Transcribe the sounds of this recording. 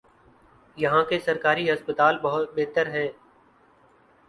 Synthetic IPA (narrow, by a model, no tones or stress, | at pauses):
jɐɦãkesɐɾkaːɾiɦɐspət̪aːlbɐɦʊt̪̚beːt̪əɾɦɛ̃ː